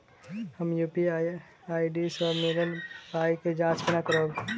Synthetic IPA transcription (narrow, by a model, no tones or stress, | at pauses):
həmjuːpi | aːiɖisɔɾmeːɾəlaːiked͡ʒãːt͡ʃbɪnakəɾoː